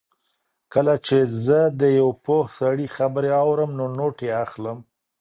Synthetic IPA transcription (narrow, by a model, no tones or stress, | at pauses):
kəlat͡ʃezəd̪əjawpohsaɽixabəɾeɑwɾəmnonoʈeaxləm